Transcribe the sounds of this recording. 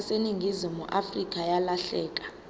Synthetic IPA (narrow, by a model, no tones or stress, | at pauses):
seniŋɡʱizimuʔafrik̬ʼajalaɬɛːk̬ʼḁ